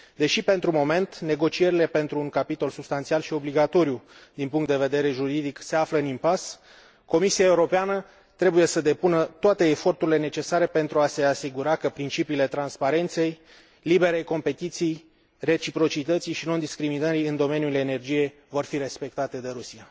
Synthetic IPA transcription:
d̪e̞ʃipe̞nt̪ɾumo̞me̞nt̪ne̞ɡo̞t͡ʃie̞ɾile̞pe̞nt̪ɾuːŋkapit̪o̞lsubst̪ant̪sialʃio̞bliɡat̪o̞ɾjud̪inpuŋkt̪d̪eve̞d̪e̞ɾe̞ʒuɾid̪ikse̞afləɨnimpas | ko̞misiae̞uɾo̞peanə | t̪ɾe̞buje̞səd̪e̞punət̪oat̪e̞ːfo̞rt̪uɾile̞ne̞t͡ʃe̞saɾe̞pe̞nt̪ɾuase̞asiɡuɾakəpɾint͡ʃipiːle̞t̪ɾanspaɾe̞nt̪se̞j | libe̞ɾejko̞mpe̞t̪it̪sij | re̞t͡ʃipɾo̞t͡ʃit̪ət̪sijʃino̞nd̪iskɾiminəɾiɨnd̪o̞me̞njule̞ne̞rd͡ʒije̞j | vo̞rfiɾe̞spe̞k̚t̪at̪e̞d̪e̞ɾusia

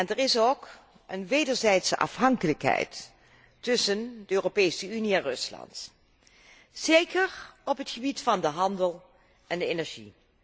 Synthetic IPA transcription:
ɛndəɹɪsok | ʔənʋejdəɹzɛjtsəʔɑ̰fɦɑŋkələkɦɛ̰jtː | ʏsəndəøːropejsəyniɛnrɵslɑ̰nt | zejkəɹɔpɦətχəbitfɑndəɦɑndəlˠ | ʔɛndəenɛɹʒḭ

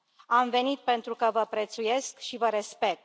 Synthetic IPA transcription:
amve̞nit̪̚pe̞nt̪ɾukəvəpɾet̪suje̞skʃivəɾespe̞k̚t̪

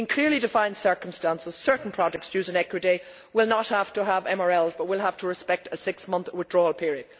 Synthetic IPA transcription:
ɪ̃nkʰl̥ɪɹlidɨfãɪ̃nd̥sɜ˞kə̃m̩stãnsəz̥sɜ˞ʔn̩pʰɹ̥ɑd͡ʒək̚tsjʉːzə̃nɛkwɨde | wɪlˠnət̚haftəəvɛ̃məɹɛlˠzbʌt̚wɪlˠɦaftʰəɹɨspɛk̚təsɪksmʌ̃nθwɪðdɹɔːlˠpʰɪɹiəd̥

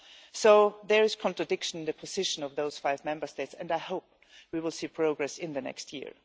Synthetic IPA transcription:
soʊðə˞ɪz̥kʰɔ̃ntɹ̥ɨdɪkʃə̃ñnðɨpʰɔzɪʃə̃nʌvðoʊz̥faɪvmɛ̃mbə˞steɪtsɨ̃ndaɪhoʊp̚ | wiwɪlˠsiːpʰɹ̥oʊɡɹɛsɪ̃nðɨnɛ̰kst̚ʰjɪ̰ɹ

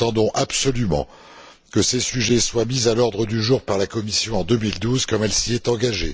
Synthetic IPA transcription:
ɑ̃d̪ɔ̃ʔapsɔlymɑ̰̃ | kəsesyʒɛswamizalɔʁd̪ʁəd̪yʒuʁpaʁlakɔmisjɔ̃ɑ̃d̪əmild̪uzkɔmɛlsiɛt̪ɑ̃ɡaʒḛ

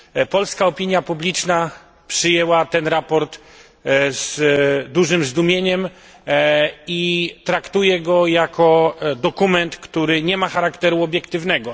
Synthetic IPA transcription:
pɔlskaɔpʲiɲjapublʲit͡ʂna | pʂɘjɛwat̪ɛnɾapɔɾt̪ | z̥d̪uʐɘmzd̪umʲjeɲɛm | it̪ɾakt̪ujɛɡɔjakʰɔd̪ɔkumɛnt̪kt̪uɾɘɲɛmaxaɾakt̪ɛɾuɔbʲjɛkt̪ɘvnɛɡɔ

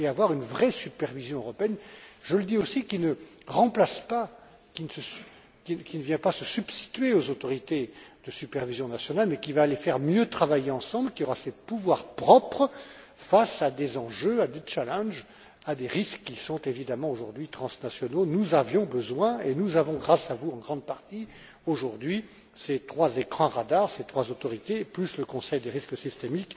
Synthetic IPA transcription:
eavwaʁynvʁɛsypɛʁvizjɔ̃øʁɔpeɛnʒələd̪iosikʲinə | ʁɑ̃plaspa | kinsəs | kʲikʲinəvjɛ̃pasəsybst̪i̥t̪ɥeozot̪ɔʁit̪ed̪̥əsypɛʁvizjɔ̃nasjɔnalmɛkʲivaːlefɛʁmjøt̪χavajeɑ̃sɑ̃blkʲiɔʁasepuvwaʁpχɔpχə | fasad̪ezɑ̃ʒøad̪et͡ʃalɛ̃ʒ | ad̪eʁiskːisɔ̃t̪evid̪amɑ̃oʒuʁd̪ɥit̪χɑ̃snasjɔnonuzavjɔ̃bəzwɛ̃enuzavɔ̃ɡʁasavuɑ̃ɡʁɑ̃d̪̚paʁt̪i | oʒuʁd̪ɥi | set̪χwazekχɑ̃ʁad̪aʁset̪χwazot̪ɔʁit̪eplysləkɔ̃sɛjd̪eʁisksist̪emik

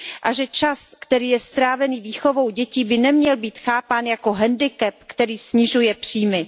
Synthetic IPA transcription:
ʔaʒɛt͡ʃaskt̪ɛɾiːjɛst̪ɾaːvɛniːviːxo̞vo̞wɟɛciːbɪnɛmɲɛlbiːt̪xaːpaːnjako̞ɦɛndɪkɛp̚kt̪ɛɾiːsɲɪʒujɛpr̝̥iːmɪ

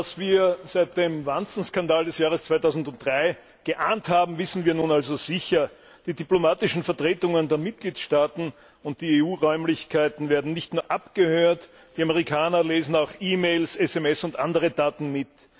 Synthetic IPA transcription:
asv̥iːɐzæɪt̚d̥eːmvant͡sn̩skandaːldɛsjaːʁ̞əst͡sv̥aɪtaʊzn̩dʊnt̚d̥ʁaɪ | ɡ̥əʔaːnthaːbm̩vɪsn̩viːɐnuːnalzoz̥ɪçɐ | d̥iːdiplomaːtɪʃn̩fɛɐtʁ̥eːtʊŋəndeːɐmɪt̚ɡ̥liːtʃtaːtn̩ | ʊnt̚d̥iːeːuːʁɔʏmlɪçkʰaɪtn̩veːɐdn̩nɪçtnuːɐʔapɡ̥əhøːɐt | d̥iːaməʁikʰaːnɐleːzn̩aʊxʔiːmeːlsɛsɛmɛsʊntʔandəʁ̞ədaːtn̩mɪt

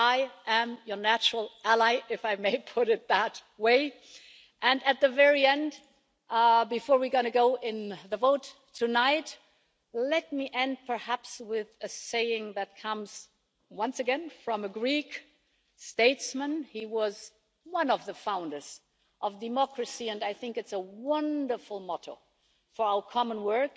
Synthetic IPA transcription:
aɪʔɨ̃mjə˞næt͡ʃɹl̩ˠælˠaɪʔɪfaɪmeɪpʰʊɾɨt̪̚ðət̚weɪ | ʔɨ̃nɨt̪̚ðɨvɛɹiɛ̃nd | bɨfɔɹwiɡonɨɡoʊʔɪ̃nðəvoʊtʰ | ɨnaɪt | lɛt̚miʔɛ̃nd̚pʰə˞hæpswɪðɨseɪɪ̃ŋðɨt̚kʰʌ̃mz̥ | wʌ̃nsɨɡɛ̃nfɹʌ̃mɨɡɹik | steɪtsmə̃niwʌz̥ | wʌ̃nʌvðəfãʊ̃ndə˞z̥ | ʔʌvdɨmɑkɹɨsiɨ̃naɪθɪ̃ŋkɨtsəwʌ̃ndə˞fl̩ˠmɑɾoʊ | fə˞aʊə˞kʰɑmə̃nwɜ˞k

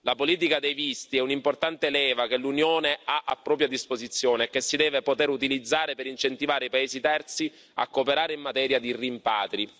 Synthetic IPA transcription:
lapoliːt̪̬ikad̪ejvist̪iɛunimport̪ant̪eːlɛːvakelunjoːneaʔapːɾɔːp̬ɾjad̪ispozit̪sːjoːneːkːesːid̪ɛːvepot̪eɾut̪ilid̪zːaːɾepeɾint͡ʃent̪ivaːɾeipaeːzit̪ɛrt̪si | a̰kːopeɾaːɾeimːat̪ɛːɾjad̪irimpaːt̪ɾi

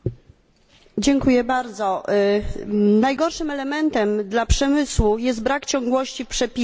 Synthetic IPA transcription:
d͡ʑɛŋkujɛbaɾd̪zɔ | najɡɔɾʂɘmɛlɛmɛnt̪ɛmd̪lapʂɛmɘswujɛst̪̚bɾakt͡ɕɔŋɡwɔɕt͡ɕipʂɛpʲi

